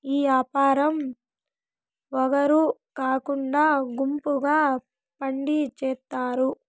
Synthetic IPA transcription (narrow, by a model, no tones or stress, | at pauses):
iːaːpaːɾɐm | ʋɔɡɐɾukaːkuɳɖaːɡumpuɡaː | pɐɳɖit͡ʃɛːt̪ːaːɾu